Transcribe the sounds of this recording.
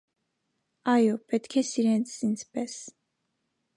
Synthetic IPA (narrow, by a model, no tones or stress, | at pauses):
ajɔbɛt̪ʰkʰɛsiɾɛnt̪sinsʰbɛs